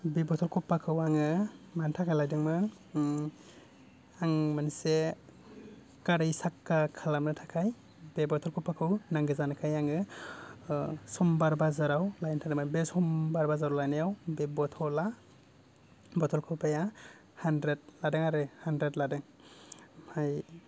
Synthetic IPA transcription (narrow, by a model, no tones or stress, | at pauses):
bebɔtʰɔlkʰɔpːakʰɯwaŋɯmantʰakʰajlajdɯŋmɯ | aŋmanse | kaɾɯjsakːakʰalamnɯtʰḁkʰaj | bebɔtʰɔlkʰɔpːakʰɯwnaŋɡɯzankʰajaŋɯ | sɔmbaɾbazaɾawlajntʰadɯmabesɔmbaɾbazaɾawlajnajawbebɔtʰɔla | bɔtʰɔlkʰɔpʰaja | handɾet̚ladɯŋaɾɯhandɾetladɯŋ | aj